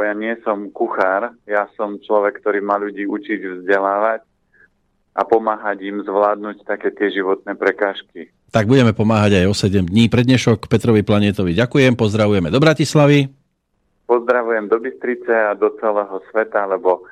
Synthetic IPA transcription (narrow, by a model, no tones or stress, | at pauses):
jaːɲɪɛsɔmkuxaːɾjasɔmt͡ʃlɔʋɛkkːt̪ɔɾiːmaːʎuɟiːut͡ʃiɟvzɟɛlaːʋac | ʔapɔmaːɦaɟimzʋlaːd̪nuct̪akɛːt̪ɪɛʒiʋɔt̪̚nɛːpɾɛkaːʃki | t̪aɡ̚buɟɛmɛpɔmaːɦaɟajɔsɛɟɛmd̪ɲiːpɾɛd̪ɲɛʃɔkpɛt̪ɾɔʋiplaɲɪɛt̪ɔʋiɟakujɛmpɔzd̪ɾaʋujɛmɛd̪ɔbɾacislaʋi | pɔzd̪ɾaʋujɛmd̪ɔbist̪ɾit͡sɛad̪ɔt͡sɛlɛːɦɔsʋɛt̪alɛbɔ